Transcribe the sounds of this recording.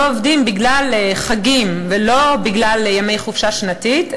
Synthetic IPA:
ovdimbiɡlalχaɡimvelo̞biɡlaljame̞jχufʃaʃnat̪it

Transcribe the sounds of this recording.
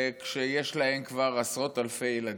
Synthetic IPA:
kʃejeʃlahe̞mkvaʁasʁo̞t̪alfe̞jelad

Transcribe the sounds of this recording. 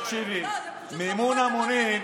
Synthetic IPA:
t͡ʃiɾi | mimunamone

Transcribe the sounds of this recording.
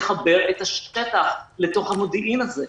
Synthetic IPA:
χabe̞ʁet̪aʃet̪aχlet̪o̞χhamod̪iʔinaze

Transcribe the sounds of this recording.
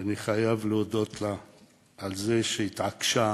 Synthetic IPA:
aniχajavleod̪o̞t̪la | alze̞ʃeit̪ʕakʃa

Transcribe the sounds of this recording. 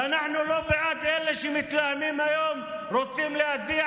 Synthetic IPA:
anaħnʊloːbɪʕaːd̪ʔɪlːaʃimɪt̪lahmiːmajoːm | ɾuːt̪ːiːmlɪʔad̪iː

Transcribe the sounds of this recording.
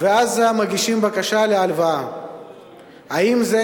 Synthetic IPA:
veazamaɡiʃimbakaʃalealvaa | haimze

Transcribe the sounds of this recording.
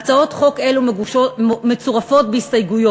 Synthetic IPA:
t͡sao̞tχo̞ke̞lumeumet͡suʁafo̞tbehistajɡujo

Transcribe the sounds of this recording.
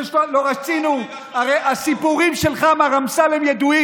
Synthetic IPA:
ʃloloʁat͡sinu | aʁejʔasipuʁimʃelχamaʁamsalemjed̪ui

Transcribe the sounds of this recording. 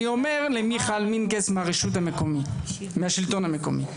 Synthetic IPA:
iome̞ʁlemiχalminkesmeaʁeʃut̪̬hamekomi | meaʃilt̪o̞nhameko̞̰mḭ

